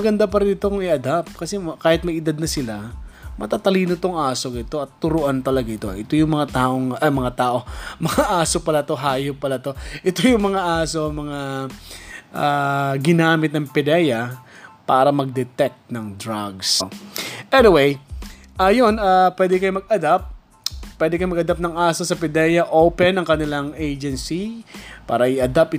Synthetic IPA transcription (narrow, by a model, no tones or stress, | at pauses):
ɐɡɐnd̪apɐɾɪnɪt̪o̞kʊŋɪʔɐd̪app̪̚kɐsɛkaːhɪt̪̚mɐjɪd̪ad̪̚nɐsɪlamɐt̪aːt̪ɐliːnot̪oŋaːsokɪt̪o̞ʔɐt̪ːʊɾʊʔant̪ɐlɐɡaʔɪt̪o̞ʔɛt̪ojʊŋmɐŋat̪aːʔoŋɐmɐŋat̪aːʔo̞mɐŋaʔaːsopɐlat̪o̞ɦaːjopɐlat̪o̞ʔɛt̪ojʊŋmɐŋaʔaːso̞mɐŋa | ʔaɡɪnaːmɪt̪̚nɐŋpɛd̪ɛjɐpaːɾɐmɐɡ̚d̪ɛt̪ɛk̚t̪̚nɐŋd̪ɾaɡs | ʔɛnɪwej | ʔɐjonapwɛːd̪ɛkɐjomɐɡ̚ʔɐd̪ap̚ | pːwɛd̪ɛkɐjomɐɡ̚ɐd̪ap̚nɐŋʔaːsosɐpɪd̪ɛːjɐʔoːpɛnɐŋkɐnɪlaŋʔejd͡ʒɛnsipa̰ːɾɐʔɪʔɐd̪apɪ